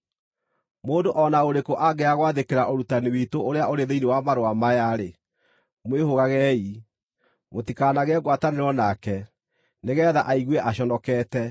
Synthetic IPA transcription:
moːndoʔɔnaoɾekoʔaɡɛaɣwaðekeɾaʔoɾutaniwitooɾeaʔoɾeðeinewamaɾoamajaɾe | mwehoɣaɣɛi | motikanaɣɛɣwataneɾɔnakɛ | neɣɛːðaʔaiɣwɛʔaɕɔnɔkɛːtɛ

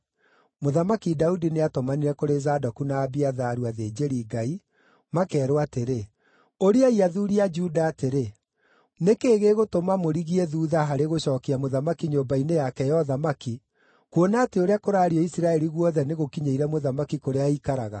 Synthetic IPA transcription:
moðamakidaudineatɔmaniɾɛkoɾezadɔkunaːbiaðaːɾuaðeːd͡ʒeɾiːɡai | makɛːɾoateɾe | oɾiaiaðuːɾiad͡ʒuːdaːteɾe | nekeːɣeɣotomamoɾiɣiɛðuːðaɦaɾeɣoɕɔːkiamoðamakiɲoːmbainejakɛjɔðamaki | kwonaːteoɾeakoɾaːɾiɔisiɾaɛɾiɣwɔðɛneɣokiɲeiɾɛmoðamakikoɾeaikaɾaɣa̰

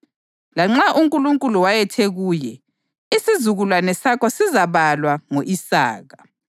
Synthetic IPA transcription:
laŋ͡ǁaʔuŋkʼuluŋkʼuluwajɛtʰeɣuːjɛ | isizuɣulwanɛsakɔsizaβalwaŋoʔisa̰ːɣa

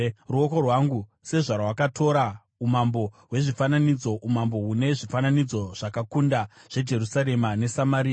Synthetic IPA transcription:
ruoko̞rwaŋɡu | se̞ʐarwakatʰo̞ɾa | umambo̞ɦwe̞ʐifananid͡zo̞ʔumambo̞ɦune̞ʐifananid͡zo̞ʐ̥akakundaʐ̥e̞d͡ʒe̞rusaɾe̞mane̞samaɾiːa

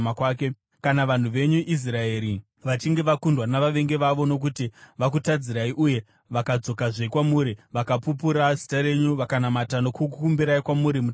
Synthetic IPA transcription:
akwaːke | kanaʋan̤uʋe̞ɲuʔis̬rae̞ːɾi | ʋat͡ʃiŋɡe̞ʋakundwanaʋaʋe̞ŋɡe̞ʋaʋo̞no̞k̬utiʋak̬utad͡ziɾaiʔuje̞ | ʋakad͡zo̞kaʐeikwamuːɾiʋakapup̬uɾazitaɾe̞ɲuʋakanamatano̞kukukumbiɾaikwamuɾimu

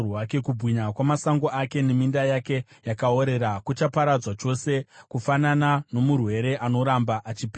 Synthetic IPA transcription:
wake̞kubʱwiɲakwamasaŋɡo̞ake̞ne̞mindajake̞jakao̞ɾe̞ɾakut͡ʃapaɾad͡zwat͡ʃo̞se̞kufananano̞murwe̞ɾe̞ʔano̞ɾambaʔat͡ʃipi

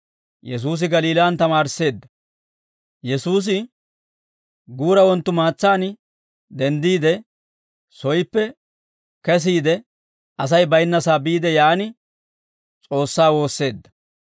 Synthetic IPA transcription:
jɛs̬uːs̬ɪɡɐliːlaːnt̪ɐmaːɾɪse̞ːd̪ːɐ | jɛsuːs̬ɪ | ɡuːɾɐwɔnt̪ːʊmaːt͡sːaːn | d̪ɛnd̪iːd̪ɛ | sɔjɪpːɛ | kɛs̬iːd̪ɛ | ɐs̬ɐjbɐjnːɐsaːbiːd̪ɛjaːnɪ | t͡sʼo̞ːsːaːwo̞ːsːe̞ːd̪ːɐ

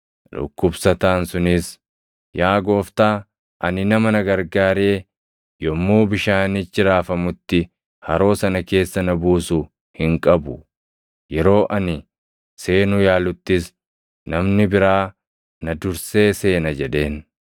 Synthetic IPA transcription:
lʊ̰kːʊbsɐt̪aːnsʊnɪs | jaːɡo̞ːft̪aː | ʔɐnɪnɐmɐnɐɡɐɾɡaːɾeː | jɔmːuːbɪʃaːnɪt͡ʃːɪɾaːfɐmʊt̪ːɪ | hɐɾo̞ːsɐnɐke̞ːsːɐnɐbuːsʊ | hɪŋkʼɐbʊ | jɛɾo̞ːʔɐnɪ | se̞ːnʊjaːlʊt̪ːɪs | nɐmnɪbɪɾaː | nɐd̪ʊɾse̞ːse̞ːnɐd͡ʒɛᶑe̞ːn

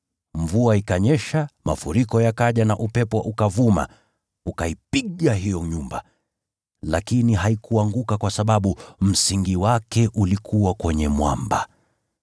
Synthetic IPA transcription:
ɱvuaikaɲɛʃama̰fuɾikɔjakaʄanaʔupɛpɔʔukavuma̰ | ukaipiɠaɦijɔɲumba̰ | lakiniɦaikuaŋɡukakwasaɓaɓum̩siŋɡiwakɛʔulikʰuwakwɛɲɛmwa̰mba

